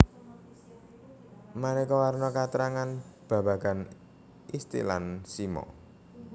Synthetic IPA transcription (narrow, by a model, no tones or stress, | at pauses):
manekɔwarnɔkat̪əɾaŋanb̥a̤b̥a̤ɡ̥a̤n | ist̪ḭla̰nsimɔ̰